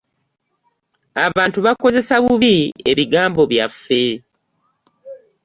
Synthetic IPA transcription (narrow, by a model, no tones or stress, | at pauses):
aβaːntuβako̞ze̞saβuβiḛβiɡaːmbo̞βjafːe̞